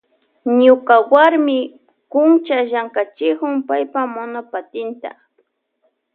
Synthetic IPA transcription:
ɲʊkawaɾmɪ | kʊnt͡ʃaʒaŋkat͡ʃɪkʊŋpajpamʊnapat̪ɪnt̪a̰

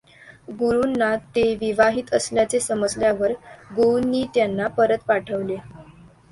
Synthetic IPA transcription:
ɡuɾunːat̪eʋiʋaɦiːt̪əsljat͡sesəməd͡zljaʋəɾɡownːiːt̪janːapəɾət̪paʈʰəʋle

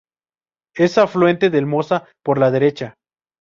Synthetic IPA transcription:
e̞saflwe̞nt̪e̞ðelmo̞sa | po̞ɾlaðe̞ɾe̞t͡ʃa

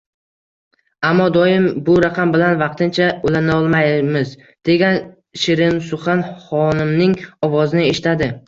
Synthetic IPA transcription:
amːɒd̪ɒjɪmbʊɾaqʰɑmbɪlanvɑq̚t̪ʰɪnt͡ʃʰaolanɒlˠmajmɪz | d̪̥e̞ɡʲan | ʃɪɾɪmsʊχɑnχɒnɪmnɪŋɒvɒzɪnɪe̞ʃɪt̪ʰad̪ɪ

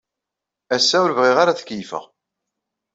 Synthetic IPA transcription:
æsːæwəɾvʁiʁaɾaθə̥kjfə̰ʁ

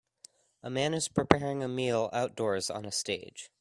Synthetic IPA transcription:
əmæ̃nɨz̥pʰɹ̥ipʰɛɹɪ̃ŋɨmilˠa̰ʊt̚d̥ɔɹzn̩əsteɪd̥ʒ̥

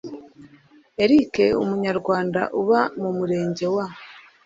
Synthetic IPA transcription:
e̞ɾike̞ṵmuɲaɾɡwaːnda̰ʔuβamumuɾe̞ːɲɟe̞wa

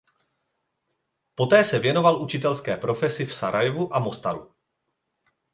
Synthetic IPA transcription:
po̞t̪ɛːsɛvjɛno̞valʔut͡ʃɪt̪ɛlskɛːpɾo̞fɛsɪfsaɾʔajvuʔamo̞st̪aɾu

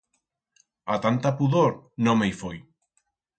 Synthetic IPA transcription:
at̪ant̪apuðoɾnõmejfoj

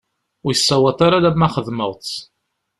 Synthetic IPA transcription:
ʊjəsːæwɑtˤaɾalæmːæχəðməʁˤt͡s

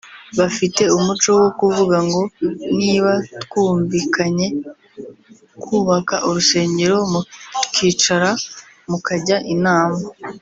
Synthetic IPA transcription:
βafite̞umut͡ʃo̞wo̞kuvuɡaŋɡo̞niːβatkuːɱviːkaɲe̞ | kʰuːβakaʔuɾuse̞ːɲɟe̞ɾo̞mutkiːt͡ʃaɾa | mukaɟaʔinaːma

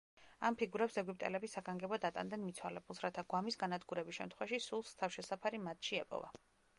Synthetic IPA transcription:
ampʰiɡuɾɛpsɛɡwip̚ʼt̪ʼɛlɛbisaɡaŋɡɛbɔd̪at̪ʼa̰nd̪ɛnmit̪sʰwalɛbulˠsɾat̪ʰaɡwamisɡanad̪ɡuɾɛbisʃɛmt̪ʰχwɛvaʃisulˠst̪ʰafʃɛsapʰaɾimat̪ʰʃiɛpʼɔ̰va̰

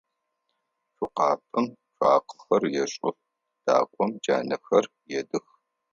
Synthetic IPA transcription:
fʊqɑːpʼɨmɕʷʼaːqə̥xɐrjɛɕʼʊr | d̥a̰ːkʷʼɔmd͡ʒa̰ːnɐxɐr | jɛdɨx

